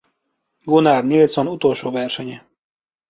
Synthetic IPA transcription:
ɡonarnilt̪sonut̪olʃoːvɛrʃɛɲɛ

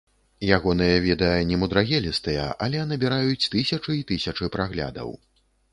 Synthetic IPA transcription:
jaɣɔnɨjɐvʲɛd̪ɐjɐnʲɛmud̪ɾaɣʲɛlʲist̪ɨjɐ̰ʔɐlʲɛjanɨbʲiɾajut͡sʲt̪ɨsʲɐt͡ʂɨit̪ɨsʲɐt͡ʂɨpɾaɣlʲa̰d̪ɐ̰w

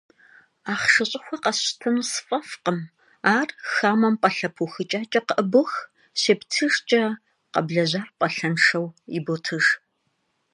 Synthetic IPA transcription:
aːχʂɨɕʼɪxʷɐqɐɕtʰɨnsɨ̥fʼɐfqəm | aːrxaːmɐmpʼɐɬɐpʰuxɨt͡ʃʼaːt͡ʃʼɐqəʔəbɨx | ɕeːptʰɨʐt͡ʃʼɐ | qɐ̰bɮɐʑaːrpʼɐɬɐnʂɐwḭbotʰɨʐ

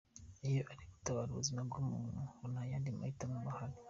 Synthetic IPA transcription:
ijoʔaɾiku̥tawalṵzinabɡomuhunajaːndima̰itamumahali

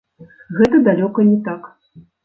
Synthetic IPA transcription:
ɣɛt̪ɐd̪alʲɔkɐnʲɛt̪ak

